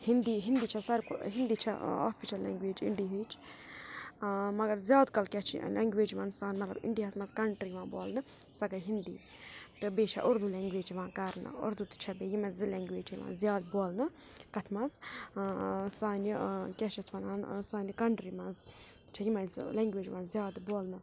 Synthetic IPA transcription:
hind̪iɦind̪iːt͡ʃʰɐsɐɾkɦind̪it͡ʃʰɐ̰a̰ːpʰiʃɐlːɛ̰ːŋɡʋeːd͡ʒḭɳɖiɦed͡ʒ | mɐɡɐɾzʲjaːd̪kɐlkʲɛt͡ʃʰḭlʔɛːŋɡʋeːd͡ʒʋaːnsaːnmɐt̪lɐ̰bḭɳɖiɦɐsmɐzkɐɳʈɾiʋãːboːlnɨ | sɐɡɐɦind̪ḭː | t̪ɨbeːt͡ʃʰɐ̰ʔʊɾd̪ulɛ̃ːŋɡʋeːd͡ʒiʋãːkɐɾnɨ̰ʊ̰ɾd̪ut̪ɨ̥t͡ʃʰɐbeːjimɐzɨlɛːŋɡʋeːd͡ʒʰɐʋã̰ːnzjaːd̪boːlnɨ | kɐt̪ʰmɐnz | saːnikʲɛʃɐt̪ʰʋɐnaːnsaːnikɐɳʈɾimɐnz | t͡ʃʰɐjimɐnzlɛ̃ːŋɡʋeːd͡ʒʋãːnzʲjaːd̪boːlnɨ

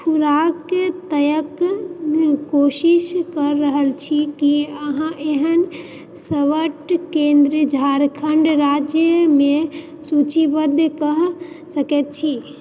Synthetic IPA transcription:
pʰuɾakt̪əjək | koʃiʃkəɾːəɦəlt͡ʃʰikiəɦãʔeɦən | səʋəʈkend̪ɾid͡ʒʱaɾkʰəɳɖɾad͡ʒjəmẽ | sut͡ʃibəd̪ʱkəɦ | səkɛt̪̚t͡ʃʰi

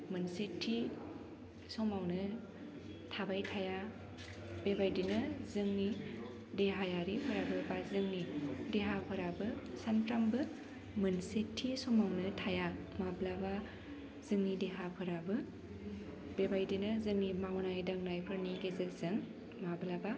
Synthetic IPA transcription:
mɯnsetʰːi | sɔmawnɯ | tʰabajtʰaja | b̥ebajdinɯzɯŋni | deɦajaɾipʰɯɾabɯbazɯŋnideɦapʰɯɾabɯsanpɾambɯ | mɯnsetʰːisɔmawnɯtʰaja | mablaba | zɯŋnideɦapʰɯɾabɯ | bebajdinɯzɯŋnimawnajdaŋnajpʰɯɾniɡezelzɯŋ | mablaba

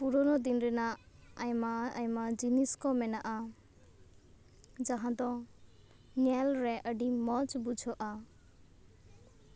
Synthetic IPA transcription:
puɾɔnɔd̪inɾɛnajmaəjmad͡ʒiniskɔmɛnaʔa | d͡ʒaɦãd̪ɔ̃ | ɲɛlɾɛʔəɖimɔt͡ʃbud͡ʒʱɔʔa

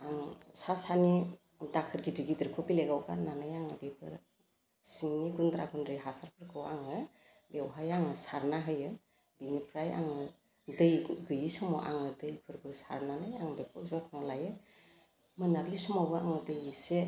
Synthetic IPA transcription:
aŋsasani | dakʰɯɾɡidiɡidiɾkʰɔpileɡawɡa̰ɾnanajaŋɯbepʰɯ̰ɾ | siŋniɡund̪ɾaɡundɾiɦasaɾpʰɯɾkʰɯwaŋɯ | bewɦajaŋɯsaɾnaɦɯjɯ | binipʰɾaja̰ŋɯ | dɯjɡɯjisɔmɔʔa̰ŋɯdɯjpʰɯɾbɯsa̰ɾnanajaŋbepʰɯzakʰaŋɔlajɯ | mɯnablisɔmɔbɯa̰ŋɯdɯjise

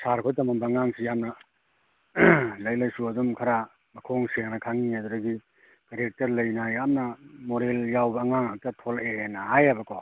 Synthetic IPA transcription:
saɾkʰɔtɐmabɐŋaŋsʰijamnɐ | lɐjlɐjsuɐdumkʰaɾa | mɐkʰoŋseŋnakʰaŋiaduɾaɡi | kaɾek̚tɐɾlɐjnajamnɐmoɾeljawbɐːŋaŋhak̚tɐtʰɔlenɐɦajabɐkɔ

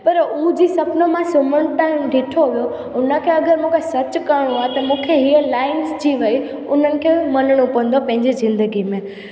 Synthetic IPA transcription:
pɐɾud͡ʑiːsɐpnomãsʊməɽ̃ʊʈaːɦɪmɖʱɪʈʰoʋijo | ʊnə̆kʰeɐɡəɾmũːkʰesɐt͡ɕkɐɾɪɽ̃uaɦet̪ɐmũːkʰeɦiəlaːɪnsd͡ʑiʋɐi | ʊn̤ənɪ̆kʰemɐnɪɽ̃ũpɐə̃n̆d̪opɐ̃ɦɪ̃ɲd͡ʑizɪ̃nd̪əɡimẽ

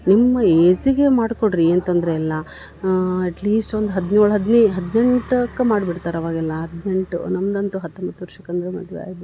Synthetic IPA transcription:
nimːɐeːsiɡe̞maːɖkoɽɾiɐnt̪ɐnd̪ɐɾeːlːɐ | ɛʈliːsʈond̪uɦɐd̪nuːɭɦɐd̪neɦɐd̪ne̞ɳʈɐkːɐmaːɖbiɽt̪aːɾɐʋaːɡɛlːɐɦɐd̪ne̞ɳʈṵnɐmːɐd̪ɐnt̪uɦɐt̪ːombɐt̪ːuʋɐɾʂɐkːɐnd̪ɐɾemɐ̰d̪ʋ̰a̰ːɡid̪u

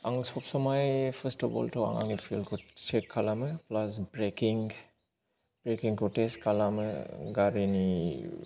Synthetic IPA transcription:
aŋsɔpsɔmajpʰəstɔbɔ̰ltʰɔwa̰ŋa̰ŋipʰilkʰusekkʰːalamɯplasbɾekiŋ | b̥ɾekiŋkʰɔteskʰalamɯɡaɾini

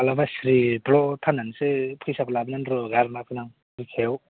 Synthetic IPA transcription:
alabasɾitlɔtʰanansepʰɯjsaplabnanɾɔɡaɾmakʰɯnaŋ | ɾikʰew

